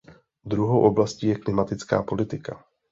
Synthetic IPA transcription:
d̪ɾuɦowʔo̞blasciːjɛklɪmat̪ɪt͡ska̰ːpo̞lɪt̪ɪka̰

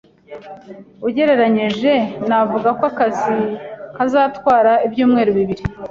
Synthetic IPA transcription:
uɟe̞ɾe̞ɾaɲiʒe̞navuɡakwakazikazaːtwaːɾaibjuːmŋe̞ːɾuβiβiɾi

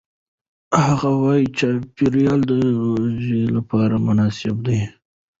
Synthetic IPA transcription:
haɣawɑjit͡ʃɑpiɾijɑld̪əzilapɑɾamʊnɑsɪbd̪aj

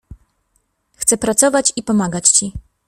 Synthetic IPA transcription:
xt̪sɛpɾat̪sɔvat͡ɕipɔmaɡat͡ɕt͡ɕi

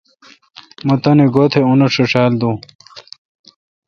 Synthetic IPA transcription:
mɐt̪ɐneɡot̪ʰeunɐʂeʂaːld̪u

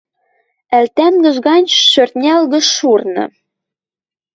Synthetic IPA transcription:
ælt̪æŋɡə̆ʒɣɑnʲʃørt̪̚nʲælɣə̆ʃurnɤ̰̆

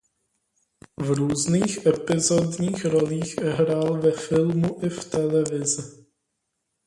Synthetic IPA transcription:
vɾuːzniːxʔɛpɪzodɲiːxɾoliːxɦɾaːlvɛfɪlmuʔɪft̪ɛlɛvɪzɪ

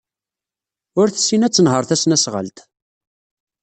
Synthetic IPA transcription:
ʊɾθəsːinæt͡sːənɦəɾˤθæsnæsʁə̰lt̪

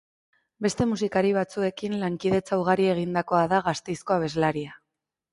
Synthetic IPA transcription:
be̞st̪e̞musikaɾiβ̞at͡sue̞kinlaŋkiðe̞t͡sawɣ̞aɾie̞ɣ̞ind̪ako̞aðaɣast̪e̞jsko̞aβ̞e̞zlaɾia

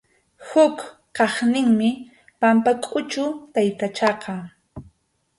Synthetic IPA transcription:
hʊk | qɑχnɪŋmɪ | pampakʼʊt͡ʃʊt̪ajt̪at͡ʃɑqɑ

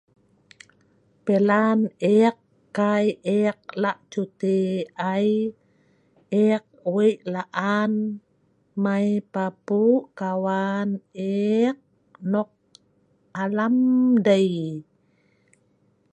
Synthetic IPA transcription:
pelaneqː | ajeq̚laʔt͡ʃut̪eaj | eq̚wiʔlaʔan | majpapukawaneq̚ | nɔq̚ | alamdaj

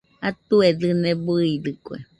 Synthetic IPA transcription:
at̪ueðɨnẽbɨiðɨkʷḛ

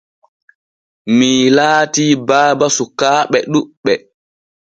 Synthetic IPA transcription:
milaːtiːbaːbasukaːɓɛɗuɓɛ

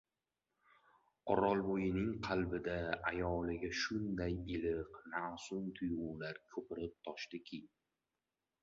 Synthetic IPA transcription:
ɒɾɒlˠbojɪnɪŋqʰɑlbɪd̪aajɒːlˠɪɡʲaʃʊnd̪ajɪlɪqnasʊnt̪ʰʊjʊːlaɾkʰɵpɪɾɪp̚t̪ʰɒʃd̪ɪkʲʰɪ

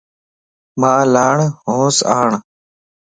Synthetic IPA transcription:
maːlaːɳɦõːsaːɳ

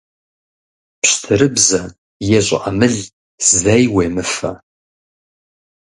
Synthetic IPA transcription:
pɕtʰɨɾɨbzɐ | jɛɕʼɪ̰ʔɐmɨɮ | zɐjweːmɨfɐ

